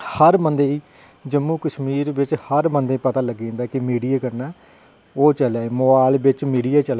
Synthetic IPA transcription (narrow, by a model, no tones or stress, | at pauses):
həɾmənd̪eːiː | d͡ʒəmːuːkəʃmiːɾʋɪt͡ʃhəɾmənd̪eːiːpət̪aːləɡːẽːnd̪aːkɪmiːɖijaːkəɾnaː | oːt͡ʃəlaːemoːbaːlbɪt͡ʃmiːɖijaːt͡ʃəl